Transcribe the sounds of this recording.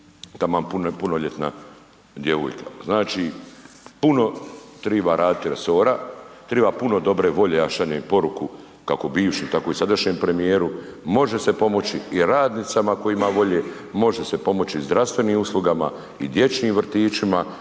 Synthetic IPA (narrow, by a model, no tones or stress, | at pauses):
t̪amaːmpunpunoʎe̞t̪na̰ | d̪je̞ʋo̰ːjka̰znaːt͡ʃiːpuno̞t̪ɾibaɾaːd̪it̪iɾe̞so̞ːɾat̪ɾeːbapuno̞d̪o̞bɾe̞ʋo̞ʎeaʃaɲoipo̞ɾuku | kako̞biːʋʃimt̪ako̞isad̪aʃɲeːmpɾe̞mijeːɾumo̞ʒe̞se̞po̞mo̞t͡ɕiiɾaːd̪nit̪samako̞jimaʋo̞ʎe̞ː | mo̞ʒe̞se̞po̞mo̞t͡ɕizd̪ɾast̪ʋe̞niːmuslˠuɡama̰ | ḭd̪je̞t͡ʃniːmʋr̩t̪iːt͡ʃima